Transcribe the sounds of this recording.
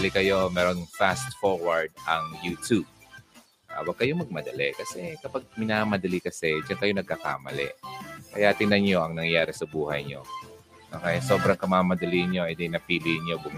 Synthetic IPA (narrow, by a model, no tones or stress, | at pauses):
ɐlɪkɐjo̞mɛɾonŋfast̪foɹwɐɹd̪̚ɐŋjuːt̪ub̚ | ʔa̰wɐɡ̚kɐjo̞mɐɡ̚mɐd̪ɐlɛkɐsɛkɐpaɡ̚mɪnamɐd̪ɐlikɐsɛd͡ʒɐnkɐjo̞nɐɡ̚kɐka̰ːmɐ̰lɛ̰ʔkɐjaʔt̪ɪnɐnɲo̞ʔɐŋnɐŋjaːɾɪsɐbuːhɐjɲo̞̰ | nokɐjaso̞ːbɾɐŋkɐmaːmɐd̪ɐliɲo̞ʔɛd̪ɛnɐpiːlɪʔnjo̞bʊm